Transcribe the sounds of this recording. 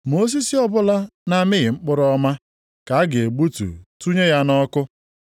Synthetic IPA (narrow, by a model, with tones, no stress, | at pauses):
mo˦s̬i˦si˦ɔ˦bʊ˦la˦na˦mɪ˦ɣɪ˨ŋ͡m̩˦k͡pʊ˦ɾɔ˦ma˦ | ka˨a˦ɡɪ˨e˨ɡ͡bu˦tṵ˨tu˦ɲe˦ja˦nɔ˦kʊ˦